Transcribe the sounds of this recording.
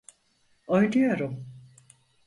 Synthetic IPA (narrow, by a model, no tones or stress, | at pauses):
ojd̪ujoɾum